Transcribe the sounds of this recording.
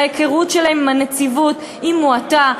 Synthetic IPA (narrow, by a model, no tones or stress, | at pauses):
jekeʁutʃelahemːanet͡sivut | imuata